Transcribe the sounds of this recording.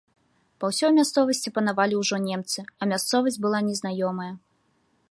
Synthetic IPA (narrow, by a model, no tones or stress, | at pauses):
pawsʲɔjmʲast̪sɔvɐsʲt͡sʲipɐn̪avalʲiwʐɔnʲɛmt̪sɨɐmʲast̪sɔvɐs̬ʲd͡zʲbɨlˠanʲɛznajɔmɐjɐ